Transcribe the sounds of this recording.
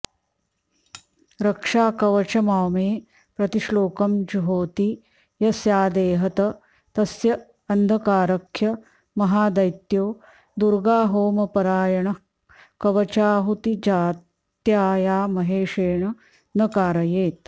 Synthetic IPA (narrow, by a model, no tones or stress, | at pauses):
ɾɐkʂaːkɐʋɐt͡ʃɐmaːmeː | pɾɐt̪iʂloːkɐmd͡ʒuɦoːt̪i | jɐsjaːd̪eːɦɐt̪ɐ | t̪ɐsjɐ | ɐnd̪ʱɐkaːɾɐkʰjɐ | mɐɦaːd̪ɐjt̪joː | d̪uɾɡaːɦoːmɐpɐɾaːjɐɳɐ | kɐʋɐt͡ʃaːɦut̪id͡ʒaːt̪jaːjaːmɐɦeːʂeːɳɐ | nɐkaːɾɐjeːt̪